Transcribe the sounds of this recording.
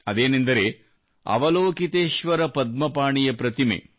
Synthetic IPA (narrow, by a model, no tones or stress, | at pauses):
ɐd̪eːnind̪ɐɾe | ɐ̰ʋɐloːkit̪eːʃʋɐɾɐpɐd̪̚mɐpaːɳijɐpɾɐt̪imḛː